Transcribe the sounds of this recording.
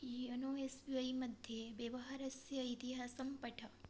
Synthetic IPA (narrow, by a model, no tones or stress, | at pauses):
iənoesbiajmɐd̪ʱjeʋjɐʋɐɦaɾɐsjɐit̪iɦasəmpəʈʰɐ